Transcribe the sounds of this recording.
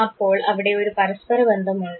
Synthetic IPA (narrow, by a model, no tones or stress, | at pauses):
ɐpːoːɭɐʋiɽe̞oɾupɐɾɐspɐɾɐbɐnd̪ʱɐmuɳɖ